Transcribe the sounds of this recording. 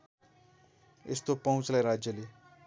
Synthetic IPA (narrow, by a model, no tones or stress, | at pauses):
ḛst̪opʌɦũt͡slajɾad͡zjʌle